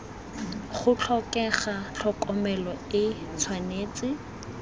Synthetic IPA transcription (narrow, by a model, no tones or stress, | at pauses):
χʊt͡ɬʰɔkʼɛχat͡ɬʰɔkʼɔmɛlɔɪt͡sʰwaneːt͡sʼɪ